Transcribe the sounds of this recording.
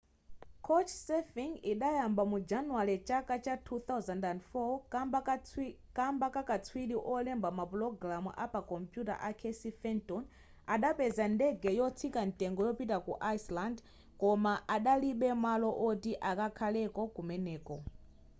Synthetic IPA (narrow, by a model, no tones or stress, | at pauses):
kʰɔt͡ʃʰsɛfiŋɡiɗajambamud͡ʒanuaɾit͡ʃakat͡ʃatʰuθawzandandfɔ | kambakakat͡sʰwiɗiʔɔlɛmbamaplɔɡɾamuʔa̰pakɔmpjuta̰ʔakʰɛsifɛntɔn | aɗapɛzandɛɡɛjɔt͡sʰikan̩tɛŋɡɔjɔpitakṵʔajsland | kɔmaʔaɗaliɓɛmalɔʔɔtiʔakakʰalɛkɔkumɛnɛːkɔ